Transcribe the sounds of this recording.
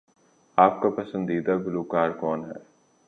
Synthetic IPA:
aːp̚kapɐsə̃nd̪iːd̪aɡʊluːkaːɾkɔːnɦɛː

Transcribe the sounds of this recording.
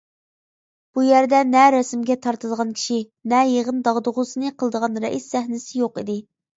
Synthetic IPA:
b̥ujæɾd̪ɛnɛɾɛsmɡʲɛt̪ʰɑɾt̪ɨd̪əʁɑnkʲʰi̥ʃi | nɛjeʁənd̪ɑʁd̪ʊʁʊsɨnɨqʰəlˠɨd̪əʁɑnɾɛ̰ʔisːæɦnɪsɪjoqid̪ɪ

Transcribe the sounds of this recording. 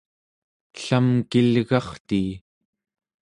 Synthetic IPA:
ɬamkilɣɑχt̪iː

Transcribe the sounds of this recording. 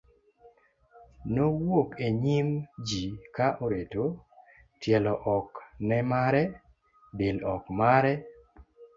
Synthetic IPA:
nowokeɲimd͡ʒikaʔoɾeto | tjɛlɔʔɔknɛmaɾɛ | bɪlɔkmaɾɛ

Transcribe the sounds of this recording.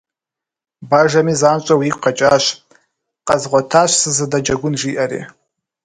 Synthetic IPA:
baʒamizant͡ʃʷʼawiqʰat͡ʃʼaʃʷ | qʼazʁʷatʰaʃʷsɨzɨdad͡ʒaɡʷʊnʒiʔarḛ

